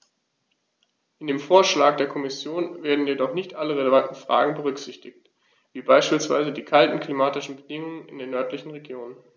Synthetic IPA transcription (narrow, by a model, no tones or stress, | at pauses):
ʔɪndeːmfoːɐʃlaːk̚d̥eːɐkʰɔmɪsjoːnveːɐdn̩jedɔχnɪçtʔaləʁeləvantn̩fʁ̥a̰ːɡŋ̩bəʁ̞ʏkz̥ɪçtɪçt | v̥iːbaɪʃpiːlsv̥a̰ɪzədiːkʰaltn̩kl̥imaːtɪʃn̩bədɪŋʊŋənɪ̰ndeːnːœɐtlɪçn̩ʁeɡjoːnən